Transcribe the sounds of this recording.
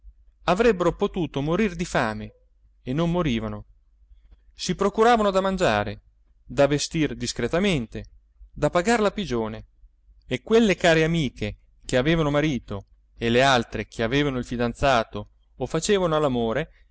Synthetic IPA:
avɾɛbːeɾopot̪uːt̪omoɾird̪ifaːme | enːomːoɾiːvano | sipɾokuɾaːvanod̪amand͡ʒa̰ːɾe | d̪avest̪ird̪iskɾet̪ament̪e | d̪apaɡarlapid͡ʒoːne | ekːwelːekaːɾeamiːkʰe | keaveːvanomaɾiːt̪o | elealt̪ɾekʰeaveːvanoilfid̪ant̪saːt̪oː | fat͡ʃeːvanoalːamoːɾe

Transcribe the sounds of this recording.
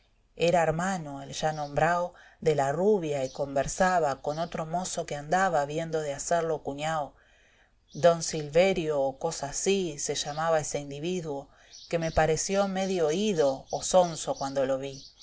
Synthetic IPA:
eɾaeɾmanoelʒanõmbɾawðe̞laruβjaiko̞mbeɾsaβako̞no̞t̪ɾo̞mo̞so̞keand̪aβaβje̞nd̪o̞ðeaseɾlo̞kuɲaw | d̪o̞nsilβe̞ɾjoːko̞saːsise̞ʃamaβaese̞ind̪iβ̞iðwo̞ | ke̞me̞paɾe̞sjo̞meðjoiðoːso̞nso̞kwand̪o̞lo̞βi

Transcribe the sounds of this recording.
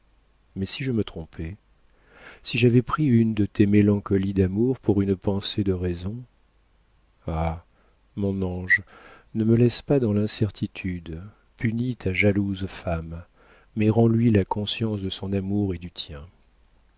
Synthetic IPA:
mɛsiʒəmət̪χɔ̃pʰɛ | siʒavɛpχiynd̪ət̪ʰemelɑ̃kɔlid̪amuʁpuʁynpɑ̃sed̪əʁɛzɔ̃ | a | mɔ̃nɑ̃ʒnəməlɛspad̪ɑ̃lɛ̃sɛʁt̪ʰit̪ʰyd̪ | pynit̪ʰaʒaluzfamː | ɛʁɑ̃lɥilakɔ̃sjɑ̃sd̪əsɔ̃namuʁed̪yt̪jɛ̃

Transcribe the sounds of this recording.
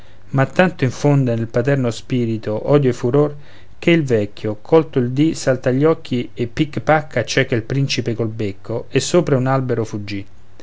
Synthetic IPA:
mat̪ːant̪oiɱfond̪enelpat̪ɛrnospiːɾit̪oʔɔːd̪joefːuɾor | k̟eilvɛkʰːjokʰɔlt̪oild̪isalt̪aʎːɔkʰːiepːikːpakʰːat͡ʃɛkːelpɾint͡ʃipekolbekʰːoesːoːpɾaunalbeɾofud͡ʒːi

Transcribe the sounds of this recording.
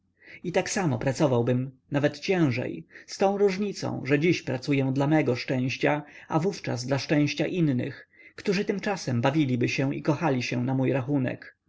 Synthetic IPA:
it̪aksamɔpɾat̪sɔvawbɘm | navɛt̪t͡ɕɛ̃w̃ʐɛ̰jst̪ɔ̃w̃ɾuʐɲit̪sɔ̰̃w̃ʐɛd͡ʑiɕpɾat̪sujɛw̃d̪lamɛɡɔʂt͡ʂɛ̃w̃ɕt͡ɕaavuft͡ʂa̰zd̪laʂt͡ʂɛ̃w̃ɕt͡ɕaʔinnɘ̰x | kt̪uʐɘt̪ɘmt͡ʂasɛmbavʲilʲibɘɕɛ̃ḭkɔxalʲiɕɛnamujɾaxunɛ̰k

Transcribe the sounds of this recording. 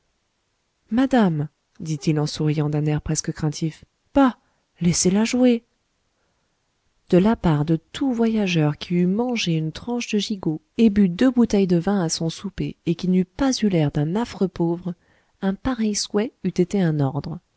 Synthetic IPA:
mad̪am | d̪it̪ilɑ̃suʁijɑ̃d̪ɛ̃nɛʁpχɛskəkχɛ̃t̪ʰif | b̥a | lɛselaʒue | d̪̥əlapaʁd̪ət̪ʰuvwajaʒœʁkʲʰiymɑ̃ʒeynt̪χɑ̃ʃd̪əʒiɡo | ebyd̪øbut̪ɛjd̪əvɛ̃asɔ̃supeːkʲinypazylɛʁd̪ɛ̃nafχəpovʁ | ɛ̃paʁɛjswɛyt̪et̪eɛ̃nɔʁd̪ʁə

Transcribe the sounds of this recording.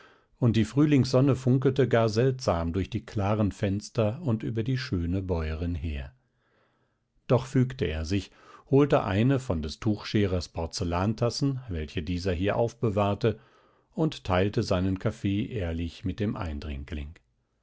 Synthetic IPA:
ʔʊnt̚d̥iːfʁ̥yːlɪŋsz̥ɔnəfʊŋkl̩təɡaːɐzɛltz̥aːmdʊɐçd̥iːkʰl̥aːʁənfɛnstɐʊntʔy̰ːbɐdiːʃøːnəbɔʏəʁɪnheːɐ | d̥ɔχfyːktəeːɐzɪç | hoːltəʔa̰ɪnəfɔndɛstʰuːxʃeːʁɐspʰɔɐt͡səlaːntʰasn̩vɛlçədiːzɐɦiːɐʔa̰ʊfb̥əvaːɐtə | ʊnttʰaɪltəzaɪnənkʰafeːʔeːɐlɪçmɪt̚d̥eːmʔa̰ɪndʁɪ̰ŋklɪ̰ŋ

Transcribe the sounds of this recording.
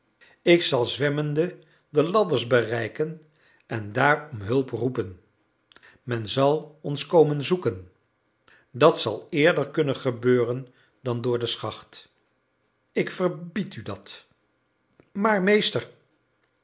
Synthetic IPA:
ɪksɑlˠzʋɛməndə | dəlɑdəɹsbərɛjkən | ʔɛndaːrɔmɦɵlˠprupən | mɛnzɑlˠɔnskowmənzukən | dɑtsɑ̰lˠɪːɹdəɹkɵnənχəbøːrən | dɑndʊːɹdəsχɑχt | ɪkfəɹbitydɑt | maːɹmejstəɹ

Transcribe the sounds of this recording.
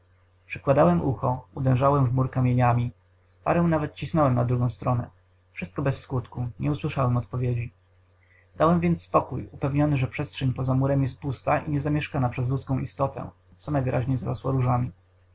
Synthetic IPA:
pʂɘ̥kwad̪awɛmʔuxɔud̪ɛ̃w̃ʐawɛmvmuɾkamʲjeɲamʲi | pa̰ɾɛw̃navɛt̪̚t͡ɕisnɔwɛmnad̪ɾuɡɔ̃w̃st̪ɾɔnɛ̰ | fʂɘst̪̚kɔbɛsːkut̪kuɲɛuswɘʂawɛmɔt̪pɔvʲjed͡ʑi | d̪awɛmvʲjɛnt̪sspɔkujupɛvɲɔnɘʐɛpʂɛstʂɛɲpɔzamuɾɛmjɛst̪̚pust̪aʔḭɲɛzamʲjɛʂkanapʂɛzlut̪skɔ̃w̃ist̪ɔt̪ɛ̰ | t̪sɔnajvɘɾʔaʑɲɛzaɾɔ̰swɔɾuʐamʲi

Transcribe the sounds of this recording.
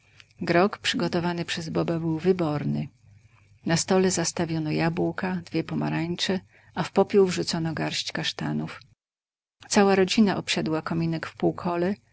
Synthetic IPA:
ɡɾɔkpʂɘɡɔt̪ɔvanɘpʂɛzbɔbabɘwvɘbɔɾnɘ | nast̪ɔlɛzast̪avʲjɔnɔjabuwkad̪vʲjɛpɔma̰ɾaɲt͡ʂɛ | ʔafpɔpʲjuwvʐut̪sɔnɔɡaɾɕt͡ɕkaʂt̪anuf | t̪sawaɾɔd͡ʑinaʔɔpɕɛd̪wakɔmʲinɛkfpuwkʰɔlɛ

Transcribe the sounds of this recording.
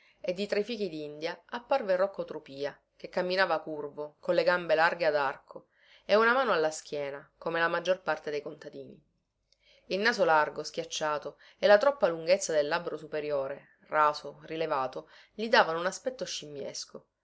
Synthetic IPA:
ed̪ːit̪ɾefiːk̟id̪ind̪jaapːarverːɔkːot̪ɾupiːa | kekːamːinaːvakurvokonleɡambelarɡead̪arkʰo | eunamaːnoalːask̟jɛːnakomelamad͡ʒːorpart̪ed̪ejkont̪ad̪iːnḭ | ilnaːzolarɡoskʲjat͡ʃːaːt̪o | elːat̪ɾɔpːaluŋɡet̪sːad̪elːabɾosupeɾjoːɾe | raːsorilevaːt̪o | lid̪aːvanounaspɛt̪ːoʃːimːjḛsko

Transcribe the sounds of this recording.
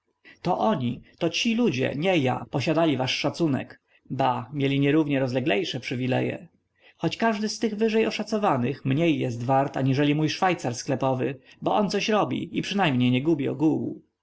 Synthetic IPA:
t̪ɔʔɔɲit̪ɔt͡ɕilud͡ʑɛ̰ɲɛja̰pɔɕad̪alʲivaʂːat̪sunɛ̰k | bamʲjelʲiɲɛɾuvɲɛɾɔzlɛɡlɛjʂɛpʂɘvʲilɛ̰jɛ̰ | xɔt͡ɕkaʐd̪ɘst̪ɘɣvɘʐɛjɔʂat̪sɔvanɘxmɲejːɛst̪vaɾt̪aɲiʐɛlʲimujʂfajt̪saɾsklɛpɔvɘ̰bɔɔnt̪sɔɕɾɔbʲḭipʂɘnajmɲejɲɛɡubʲiɔ̰ɡuwu

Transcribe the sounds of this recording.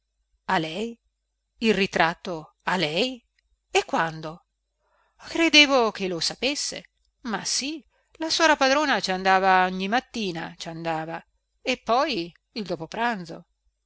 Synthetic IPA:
alɛj | ilrit̪ɾat̪ːo | alɛj | ekːwand̪o | kɾed̪eːvok̟elosapesːḛ | masi | laswɔːɾapad̪ɾoːnat͡ʃand̪aːvaɔɲːimat̪ːiːnat͡ʃand̪aːva | epːɔj | ild̪oːpopɾand̪zo

